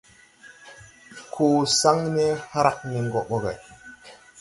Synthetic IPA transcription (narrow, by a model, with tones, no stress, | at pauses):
kʰo˨sa˦ŋne˦ha˦ɾa˨k̚ni˨ŋ˨ɡɔ˨ɓo˦ɡa̰˨